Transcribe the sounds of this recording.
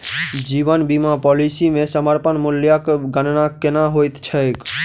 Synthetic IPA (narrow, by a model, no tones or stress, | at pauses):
d͡ʒibənbimapɔlisimesəməɾpənmuljakɡənnakenaɦojt̪t͡ʃʰək